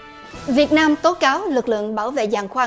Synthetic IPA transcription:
vi˨˩ət̚naː˧mt̪o˨˦kaː˨˦wlɨ˨˩k̚lɨ̰˧˨əŋɓaː˧˩wvḛ˧˨zaː˨˩ŋxwaː˧

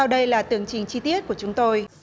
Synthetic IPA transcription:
a˧wɗə˧jlaː˨˩t̪ɨ˨˧˩əŋt͡ɕï˨˩ŋ̟t͡ɕi˧t̪i˦˥ət̚ku˧˩ət͡ɕʊ˨˦ŋ͡mt̪o˧j

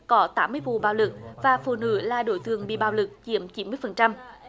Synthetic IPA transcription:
kɔ˨˦t̪aː˨˦mːɨ˧əjvṵ˧˨ɓaː˨˩wlɨ˨˩k̚vaː˨˩fṵ˧˨nɨ̰˧˥laː˨˩ɗo̰˧˩˦jt̪ɨ˨˩əŋɓḭ˧˨ɓaː˨˩wlɨ˨˩k̚t͡ɕḭ˧˩əmt͡ɕi˨˦nmɨ˧əjfə˨˩nt͡ɕa˧m

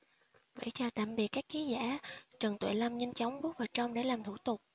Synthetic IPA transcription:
və̰˧˩jt͡ɕaː˨˩wt̪a̰ː˧˨mɓi˨˩ət̚kːaː˦˥k̚xi˨˦za̰ː˧˩t͡ɕə˨˩ŋt̪wḛ˧˨jla˧mɲə˧ŋ̟t͡ɕa˨˦wŋ͡mɓu˦˥ək̚vaː˨˩t͡ɕə˧wŋ͡mɗe˧˩laː˨˩mt̪ʰṵ˧˩t̪ʊ˨˩k͡p̚

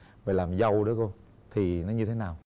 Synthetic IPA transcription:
vaː˨˩laː˨˩mzə˧wɗo˨˦ko˧ | t̪ʰi˨˩nɔ˨˦ɲɨ˧t̪ʰe˨˦naː˨˩w

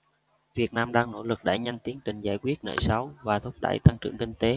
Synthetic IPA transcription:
vi˨˩ət̚naː˧mɗaː˧ŋno̰˧˩lɨ˨˩k̚ɗa̰ː˧˩jɲa˧jnt̪i˨˦əŋt͡ɕï˨˩ŋ̟zaː˧˩jkwi˦˥ət̚nə̰ː˧˩jsa˨˦wvaː˨˩t̪ʰʊ˦˥k͡p̚ɗa̰ː˧˩jt̪a˧ŋt͡ɕɨ̰˧˩əŋkï˧ŋ̟t̪e˨˦

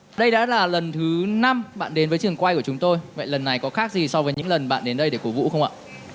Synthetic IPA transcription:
ɗə˧jɗa̰ː˧˥laː˨˩lə˨˩nt̪ʰɨ˨˦na˧mɓa̰ː˧˨nɗe˨˦nvəː˨˦jt͡ɕɨ˨˩əŋkwa˧jku˧˩ət͡ɕʊ˨˦ŋ͡mt̪o˧jvə̰˧˨jlə˨˩nːa˨˩jkɔ˨˦xaː˦˥k̚zi˨˩sɔ˧wvəː˨˦jɲɨ̰˧˥ŋlə˨˩nɓa̰ː˧˨nɗe˨˦nɗə˧jɗe˧˩ku˧˩vṵ˧˥xə˧wŋ͡mʔa̰ː˧˨

